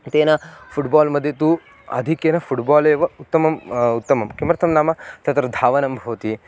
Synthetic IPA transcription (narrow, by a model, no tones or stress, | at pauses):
t̪eːnɐpʰuʈbaːlmɐd̪ʱjet̪u | ɐ̰d̪ʱikjenɐpʰuʈbaːleːʋɐut̪ːɐmɐmut̪ːɐmɐmkimɾɐt̪ʰɐmnaːmɐt̪ɐt̪ɾɐd̪ʱaːʋɐnɐmbʱɐʋɐt̪i